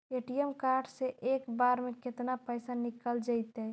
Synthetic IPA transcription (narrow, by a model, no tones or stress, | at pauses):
eʈijəmkaɾɖseʔekbaɾmeket̪napəɪsanikəld͡ʒəɪt̪ɛ